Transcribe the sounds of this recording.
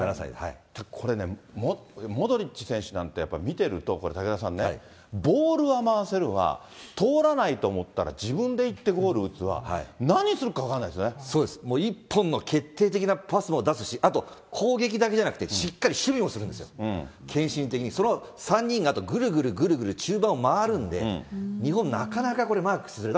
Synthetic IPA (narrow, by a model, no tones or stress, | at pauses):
asa̰t̪akʰo̞ɾe̞ne̞̰momo̞d̪oɾʲit͡ɕi̥sẽ̞ɰ̃ɕɨnã̰nt̪e̞japːaimʲit̪e̞ɾɯ̟t̪o̞ko̞ɾe̞t̪aked̪as̬ãnːe | bo̞ːɾɯ̟βamaase̞ɾɯ̟βa̰ | t̪o̞ːɾanait̪o̞ːmo̞t̪ːa̰ɾa̰d͡ʑibɯ̟̃nd̪e̞it̪ːe̞ɡo̞ːɾɯ̟ɯ̟t͡sɨβa̰hanaɲ̟isɨɾɯ̟kaβakãnːaid̪esjoneso̞ːd̪e̞sɨ̥moːipːõ̞nːo̞kʰe̞t̪ːe̞ːt̪̬e̞kʲinapasɨmo̞d̪asɨɕiʔat̪o̞kʰo̞ːɡe̞k̬ʲid̪ak̬e̞ʑanakɯ̟t̪eɕikːaɾʲiɕɨbʲĩɰo̞sɨɾɯ̟nd̪esɨjõ̰kʰẽ̞ɰ̃ɕĩnt̪̬ekʲiɲ̟iso̞no̞sãɲ̟ːĩŋɡat̪o̞ɡɯ̟ɾɯ̟ɡɯ̟ɾɯ̟ɡɯ̟ɾɯ̟ɡɯ̟ɾɯ̟t͡ɕɨːbãɰ̃omaːɾɯ̟̃nd̪e̞̰ɲ̟iɦõ̞nnakanakako̞ɾe̞maːkɯ̥sɨzɨɾet̪